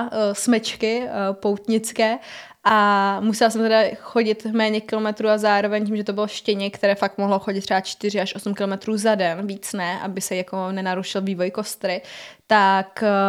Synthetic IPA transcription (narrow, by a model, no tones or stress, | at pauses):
smɛt͡ʃkɪpo̞wt̪ɲɪt͡skɛː | ʔamusɛlasɛmt̪ɛdaxo̞ɟɪt̪mɛːɲɛkɪlo̞mɛt̪ɾuːazaːɾovɛɲcimʒɛt̪obɪlfʃcɛɲɛkt̪ɛɾɛːfakmoɦloxoɟɪt̪ːr̥ɛbat͡ʃt̪ɪr̝ɪaʃʔo̞sumkɪlo̞mɛt̪ɾuːzadɛnviːt͡snɛʔa̰bɪsɛjako̞nɛnaɾuʃɪlviːvo̞jko̞st̪ɾɪt̪ak